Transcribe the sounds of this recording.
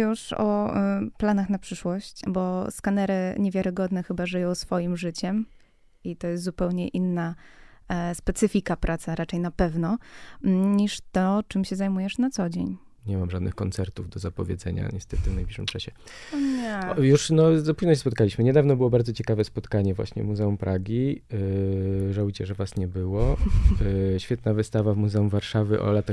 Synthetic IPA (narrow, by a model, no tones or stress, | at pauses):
juʂɔ̰planaxnapʂɘʂwɔɕt͡ɕbɔskanɛɾɘɲevʲjaɾɘɡɔd̪nɛxɘbaʐɘjɔ̃w̃sfɔjimʐɘt͡ɕɛm | it̪ɔjɛst̪zupɛwɲɛʔinːa | spɛt̪sɘfʲikapɾʔat̪saɾʔat͡ʂɛjnapɛvnɔ | ɲiʂt̪ɔt͡ʂɘmɕɛzajmujɛʂnat̪sɔd͡ʑḛɲ | ɲɛmamʐad̪nɘ̰xkɔnt̪sɛɾt̪uvd̪ɔzapɔvʲjɛ̰d̪zɛɲa̰ɲɛst̪ɛt̪ɘvnajblʲiʂɘmt͡ʂaɕɛ | ɛjuʂnɔpuʑnɔɕɛspɔt̪̚kalʲiɕmɘɲɛd̪avnɔbɘwɔbaɾdzɔt͡ɕɛkavɛspɔt̪kaɲɛvwa̰ɕɲɛ̰muzɛumpɾʔaɡʲi | ʐaujt͡ɕɛʐɛvasɲɛbɘwɔ | ɕfʲɛt̪navɘst̪avavmuzɛumvaɾʂavɘʔɔ̰lat̪a